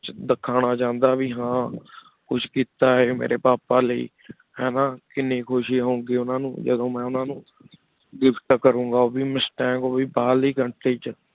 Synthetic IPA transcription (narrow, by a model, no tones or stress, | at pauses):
d̪əkʰːaːñaːt͡ʃãːnd̪aːʋiːɦãː | kʊt͡ʃʰkiːt̪aːeːmḛːɾḛːpaːpaːləḭː | ɦɛːnaːkɪneːkʰoːʃiːɦõːŋɡeːʊnãːnṵ̃ːd͡ʒə̰d̪õːmɛ̃ːʊnãːnũː | ɡɪpʰʈkəɾũːŋɡaːoːbiːmɪsʈɛ̃ːkoːbiːbaːliːkəɳʈeːt͡ʃə